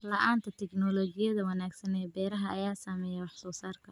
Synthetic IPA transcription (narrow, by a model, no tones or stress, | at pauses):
lɐʔaːnt̪ʰɐt̪ʰɛɡnɔːlɔːɡɪjɐðɐwɐnaːɡsɐnɛːbɛːɾɐɦɐʔɐjaːsaːmɛjɛwɑħsɔːsaːrkʰɐ